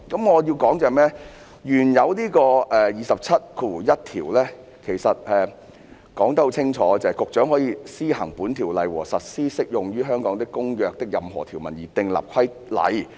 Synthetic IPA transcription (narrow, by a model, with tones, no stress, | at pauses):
kɐ˨˥mŋɔː˨˧jiː˧wkɔː˨˥ŋt͡sɛː˨mɛː˥ | jyː˨˩njɐ˨˧wniː˥kɔː˧ɛː˨jiː˨˧sɐ˨p̚t͡sʰɐ˥t̚kʰu˧u˨˩jɐ˥t̚t̪ʰiː˨˩wlɛː˥ | kʰe˨˩jsɐ˨t̚ɛː˨ | kɔː˨˥ŋt̪ɐ˥ho˨˥wt͡sʰɪ˥ŋt͡ʃʰɔː˨˧˥t͡sɐ˨˧ɐ˨jkʊ˨k̚t͡ʃœː˨˥ŋɦɔː˨˥jiː˧siː˥hɐ˨˩ŋpuː˨˥nt̪ʰiː˨˩wlɐ˨˧jwɔ̰ː˨˩sɐ˨t̚siː˥sɪ˥k̚jʊ˨ŋɥyː˥ɦœː˥ŋkɔː˨˥ŋt̪ɪ˥kkːʊ˥ŋjœː˧k̚t̪ɪ˥k̚jɐ˨mɦɔ̰ː˨˩t̪ʰi˨˩wmɐ˨˩njiː˨˩t̪ɪ˧ŋla̰ː˨p̚kʷʰɐ˥j | lɐ̰˨˧j